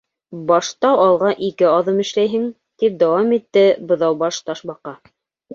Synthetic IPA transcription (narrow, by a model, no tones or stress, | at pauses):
bɑʃt̪ɑwɑlˠʁɑʔikɘɑðɤmɘ̆ʃlæjɦɘŋ | t̪ip̚d̪æwɑmit̪ːɘbɤ̆ðɑwbɑʃt̪ɑʃbɑqɑ